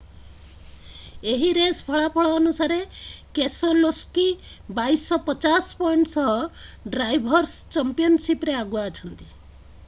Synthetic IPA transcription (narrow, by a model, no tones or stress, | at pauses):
eɦiɾespʰɔɭapʰɔɭɔːnusaɾekesɔloski | bajsɔpɔt͡ʃaspɔjɳʈsɔɦɔɖɾajbʱɔɾst͡ʃampiɔnsipɾeaɡuaːt͡ʃʰɔnt̪i